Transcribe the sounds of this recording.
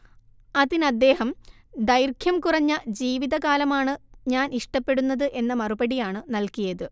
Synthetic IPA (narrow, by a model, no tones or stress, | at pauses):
ɐðinɐd̪ːe̞ːhɐm | d̪ɐjrkʰjɐmkurɐɲːɐd͡ʑiːʋiðɐkaːlɐmaːɳɨɲaːniʂʈɐpːe̞ɽunːɐðɨʔe̞nːɐmɐrubɐɽijaːɳɨnɐlkijɐðɨ